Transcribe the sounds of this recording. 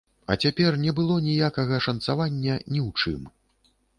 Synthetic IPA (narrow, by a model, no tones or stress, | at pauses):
ɐ̰t͡sʲapʲɛrnʲɛbɨlˠɔnʲijakɐɣɐʂɐnt̪savanʲːɐnʲiwt͡ʂɨ̰m